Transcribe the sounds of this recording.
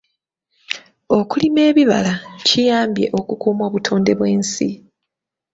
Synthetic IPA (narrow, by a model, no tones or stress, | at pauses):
o̞kulime̞ːβiβa̰lacijaːmbje̞̰ʔo̞kukuːmo̞ːβutʰo̞ːnde̞βwe̞ːnsi